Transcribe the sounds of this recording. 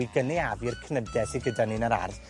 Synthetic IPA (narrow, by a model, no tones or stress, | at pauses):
iɡənɛavɨrkʰnədɛsiɡədanɪnəɾa̰rθ